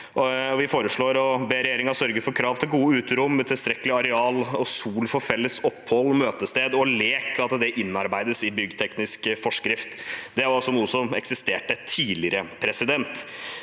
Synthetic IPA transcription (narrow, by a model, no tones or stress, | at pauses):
ɔʋɪfoːɾəʂɭoːɾɔbeːɾɛjeːɾɪŋɑsœɾɡəfɔɾkʰɾɑːʋt̪ʰɪlɡuːəʉːt̪ɾʊmːt̪ʰɪlst̪ɾɛkːəlɪɑɾɛɑːlɔsuːlfɔfɛlːəsɔpːhɔlːmøːt̪əst̪eːd̪ɔleːkʰɑt̪d̪ɛʔɪnːɑɾbæɪd̪əsɪbʏɡt̪ʰɛknɪskfɔʂkɾɪft̪d̪ɛʋɑɾɔsɔnuːəsɔmɛ̰ksɪst̪eːʈət̪ʰiːlɪɾəpʰɾɛsɪd̪ɛnt̪